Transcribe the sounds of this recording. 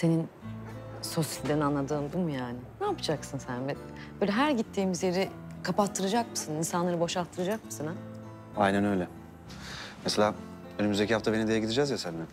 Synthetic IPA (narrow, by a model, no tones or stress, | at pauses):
se̞nin | so̞sid̪enianːˠad̪ɯːmd̪umujaːnɪnaːpɯ̥d͡ʒaksɯnsænbɛ | bøːlʲɛɦæɾɟit̪ʰːiːmizje̞ɾi | kʰapat̪ʰːɯɾad͡ʒakmɯsɯninsanlˠaɾɯbo̞ʃalt̪ʰːɯɾad͡ʒakmɯsɯna | ajnænø̞jlʲɛ | meselʲaː | ønymyzd̪e̞cʰihaft̪abe̞nid̪ejɛɟid̪id͡ʒazjasælʲmæn